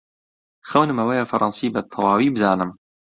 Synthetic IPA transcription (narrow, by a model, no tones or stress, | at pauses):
xɐwnɨmɐwɛjɑːfɐɾˤʔɑ̰nsiːbɨt̪ʰɑwɑːwiːbɨzɑːnɨm